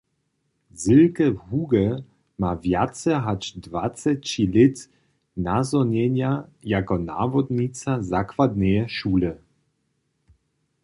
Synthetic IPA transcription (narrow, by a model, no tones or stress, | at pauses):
zɪlkɛɦuɡɛ | mavjat̪t͡sɛɦat͡ʃdvat͡sɛt͡ɕilɪt̪ | nazɔɲɛɲjajakɔna̰vɔd̪ɲit͡sazakvad̪nɛjɛʃuːlɛ